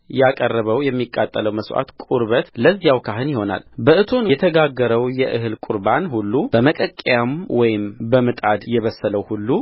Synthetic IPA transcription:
jakʼərːəβəwjɛmːikʼːa̰t̪ʼːələwməswʔa̰t̪kʼuɾβət̪ləzːijawkʰaɦɨnjɪho̞na̰lbəʔɨt̪ʰo̞nɛt̪ʰəɡaɡːəɾəwjɛʔɨɦɨlkʷʼuɾbanhulːub̥əməkʼəkʼːjamwɔjɪmbəmɨt̪ʼad̪jɛβəsːələwhulːu

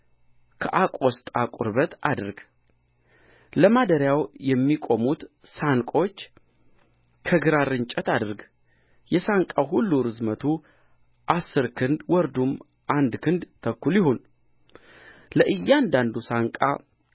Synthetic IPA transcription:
kʰəʔakʼost̪ʼakʼṵɾbət̪ad̪ɨɾɡ | ləmad̪əɾjawjɛmːikʼo̞mut̪ | saŋkʼo̞t͡ʃː | kʰəɡɨɾaɾɨnt͡ʃʼɛt̪ad̪ɨɾɡ | jɛsaŋkʼawɦulːuɾɨzmət̪ʰu | ʔasːɨɾkʰɨnd̪wɔɾd̪um | ʔand̪kʰɨnd̪t̪ʰəkːuljɪhon | ləʔɨjːand̪and̪usaŋkʼa̰

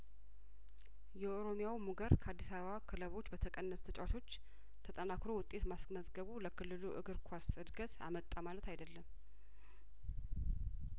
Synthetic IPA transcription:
jɛʔoɾo̞mijawmuɡəɾkʰəad̪ːisaβəβakʰɨləβo̞t͡ʃːbət̪ʰəkʼənːət̪u̥t̪ʰət͡ʃʼwat̪ʰo̞t͡ʃː | t̪ʰət̪ʼənakɾo̞wʊt̪ʼːe̞t̪masməzɡəβuləkʰɨlːɨluʔɨ̰ɡɨɾkʰwasɨd̪ɡət̪a̰mət̪ʼːamalət̪ʰajd̪əlːəm

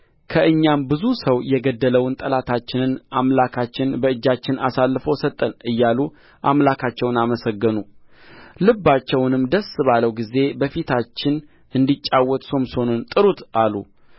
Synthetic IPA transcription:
kʰəɨɲːambɨzusəwjɛɡəd̪ːələwʊnt̪ʼəlat̪ʰat͡ʃːɪnɨnʔamlakʰat͡ʃːɪnbəɨd͡ʒːat͡ʃːɪnʔa̰salːɨfəwsət̪ʼːənɨjːalu | ʔamlakʰat͡ʃːɛwnaməsəɡːɨnu | lɨbːat͡ʃːɛwnɨmd̪əsɨβaləwɡize̞bəfit̪ʰat͡ʃːɪn | ʔɨnd̪it͡ʃʼːawːɔt̪ʼso̞mso̞nont̪ʼɨɾut̪ʔalṵ

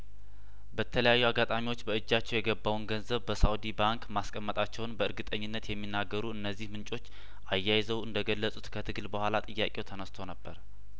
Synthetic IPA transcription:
bət̪ʰələjajːuaɡat̪ʼamiwot͡ʃːbəɨd͡ʒːat͡ʃːɛwjɛɡəbawunɡənzəβbəsawd̪ibaŋkmaskʼəmːət̪ʼat͡ʃːɛwnbəɨɾɡɨt̪ʼəɲːɪnːət̪jɛmːinːaɡːəɾuɨnːəzːihmɨnt͡ʃʼo̞t͡ʃː | ʔajːajzəwɨnd̪əɡəlːəsʼut̪kʰət̪ʰɨɡɨlbəhʷalat̪ʼɨjːakʼe̞wt̪ʰənəst̪ʰonəbːəɾ

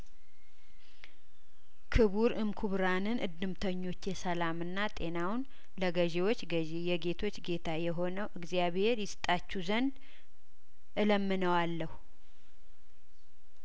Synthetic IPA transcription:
kʰɨβuɾɨmkʰuβɾanɨnʔɨ̰d̪ːɨmt̪ʰəɲːo̞t͡ʃːjɛsəlamɨnːat̪ʼe̞nawn | ləɡəʒewo̞t͡ʃːɡəʒejɛɡe̞t̪ʰo̞t͡ʃːɡe̞t̪ʰajɛɦo̞nəwʔɨɡzjaβhe̞ɾjɪsɨ̥t̪ʼat͡ʃːuzənd̪ | ʔɨləmːɨnəwalːəhu

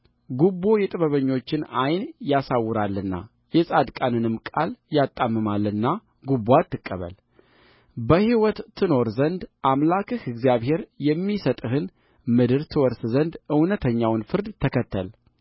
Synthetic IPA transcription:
ɡubːo̞jɛt̪ʼɨβəβəɲːo̞t͡ʃːɪnajnjasawːɨɾalːɨnːa̰ | jɛsʼad̪kʼanɨnɨmkʼa̰ljat̪ʼːamːɨmalːɨnːa | ɡubːat̪ːɨkʼːəβə̰l | bəhiwɔt̪ːʰɨno̞ɾzənd̪ʔamlakʰɨhɨɡzijaβhe̞ɾjɛmːisət̪ʼɨhɨn | mɨd̪ɨɾt̪ʰɨwɔɾszənd̪ɨwnət̪ʰəɲːawnfɨɾd̪t̪ʰəkʰət̪ʰːəl

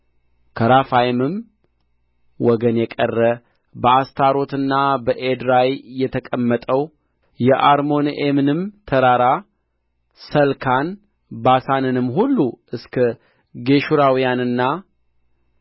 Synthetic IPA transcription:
kʰəɾafajmɨm | wɔɡənjɛkʼərːə | bəast̪ʰaɾo̞t̪ɨnːabəʔed̪ɾajːɛt̪ʰəkʼəmːət̪ʼəw | jɛʔaɾmo̞nemɨnɨmt̪ʰəɾaɾa | səlkʰan | basanɨnɨmːɦulːuʔɨskʰə | ɡe̞ʃuɾawijanɨnːa

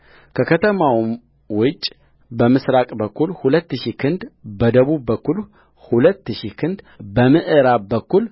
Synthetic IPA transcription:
kʰəkʰət̪ʰəmaw | wʊt͡ʃʼ | bəmɨsɾakʼbəkːulhulət̪ːɨʃikʰɨnd̪bəd̪əβuβːəkʰːul | hulət̪ːɨʃikʰɨnd̪ | bəmɨʔɨɾabəkːul

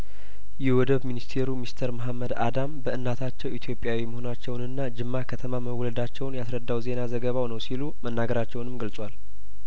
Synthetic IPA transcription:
jɛwɔd̪əβminist̪ʰe̞ɾumist̪ʰəɾməɦamːəd̪a̰d̪ambəʔɨnːat̪ʰat͡ʃːɛwit̪ʰjo̞pʼjawiməho̞nat͡ʃːɛwnɨnːad͡ʒɨmːakʰət̪ʰəmaməwːɔləd̪at͡ʃːɛwnjasɾəd̪ːawze̞nazəɡəβawnəwsilumənːaɡəɾat͡ʃːɛwnɨmɡəlsʼwal

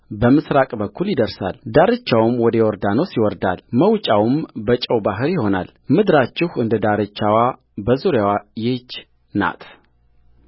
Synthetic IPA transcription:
bəmɨsɾakʼbəkʰːuljɪd̪əɾsa̰ld̪aɾɨt͡ʃːawɨmwɔd̪əjɛɔɾd̪anosiwɔɾd̪alməwt͡ʃʼawmbət͡ʃʼəwbaɦɨɾjɪho̞na̰l | mɨd̪ɾat͡ʃːɪhɨnd̪əd̪aɾɨt͡ʃːawa | bəzuɾjawajet͡ʃː | na̰t̪ʰ

